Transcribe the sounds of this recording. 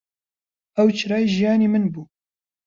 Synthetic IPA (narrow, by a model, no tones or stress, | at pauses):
ɛwt͡ʃʰɨɾɑːjiʒijɑːneːmɨnbuː